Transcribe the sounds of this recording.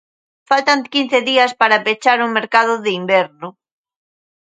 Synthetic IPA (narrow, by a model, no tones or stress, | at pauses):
falt̪aŋkin̟θeðiɐspaɾapet͡ʃaɾuŋmeɾkaðʊðɪimbɛɾnʊ